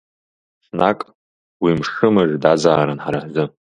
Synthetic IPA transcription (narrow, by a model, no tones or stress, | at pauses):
snakʼ | wimʂɨmɨʐdad͡zaːɾɨnħaɾaħzɨ